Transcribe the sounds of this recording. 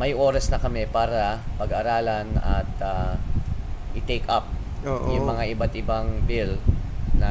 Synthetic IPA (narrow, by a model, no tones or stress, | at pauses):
mɐjʔo̞ːɾɐsnɐkɐmɛpaːɾɐpɐɡɐɾaːlɐnɐt̪̚a | ʔɪt̪ejkap̚ | oːʔjʊmɐŋaʔɪbat̪ʔɪbaŋbilnɐ